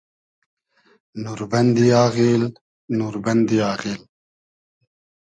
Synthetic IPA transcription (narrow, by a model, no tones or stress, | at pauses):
nuɾbɐnd̪iaːɣil | nuːɾbɐnd̪ijaːɣiːl